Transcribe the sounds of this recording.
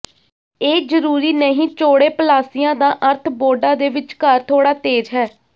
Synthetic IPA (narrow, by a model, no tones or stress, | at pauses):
eːd͡ʒəɾuːɾiːnəɦĩːt͡ʃoːɽeːpəlaːsɪjãːd̪ãːʔəɾt̪ʰboːɖãːd̪eːʋɪt͡ʃkəɾt̪ʰoːɽaːt̪eːd͡ʒɦɛː